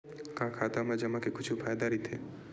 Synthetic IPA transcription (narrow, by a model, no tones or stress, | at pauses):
kãkʰaːt̪amãd͡ʒɐmãkekʊt͡ʃʰupʰaːjd̪aɾit̪ʰe